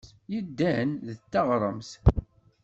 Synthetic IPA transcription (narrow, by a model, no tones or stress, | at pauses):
jəd̪ːænðət͡sːɑʁɾˤəms